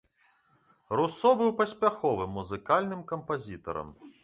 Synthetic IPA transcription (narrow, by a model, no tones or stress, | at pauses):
rusɔbɨwpɐsʲpʲaxɔvɨmːuzɨkalʲnɨmkɐmpazʲit̪ɐ̰ɾɐ̰m